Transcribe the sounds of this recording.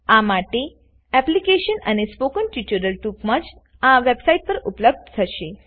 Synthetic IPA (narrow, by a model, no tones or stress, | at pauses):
amaʈe | ɛplikeʃənə̰nespokənʈit͡ʃəɾəlʈupmãd͡ʒ | aʋebsaiʈ̚pəɾupləb̚d̪t̪ʰəʃe